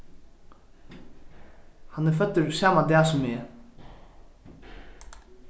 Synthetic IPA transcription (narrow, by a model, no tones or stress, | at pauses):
hanɛɾfœt̪ːəɾsaːmad̪ɛːsʊmːeː